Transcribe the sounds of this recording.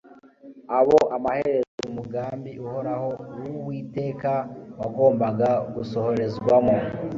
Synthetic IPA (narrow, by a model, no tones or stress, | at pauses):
aβo̞ʔamaheɾezeumuɡaːmbiʔuho̞ɾaho̞uwuβwiːte̞ːkawaɡo̞ːmbaɡaɡuso̞ho̞ɾe̞zɡwamo